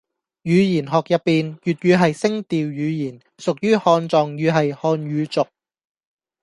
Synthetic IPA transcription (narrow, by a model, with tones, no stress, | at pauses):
jyː˨˧jiː˨˩nɦɔː˨k̚jɐ˨t̚pːiː˨njyː˨t̚ɥyː˨˧ɦɐ˨jsɪ˥ŋt̪iː˨wjyː˨˧jiː˨˩n | sʊ˨k̚jyː˥hɔː˧nt͡sɔː˨˧ŋjyː˨˧ɦɐ˨jhɔː˧nɥyː˨˧t͡sʊ˨k̚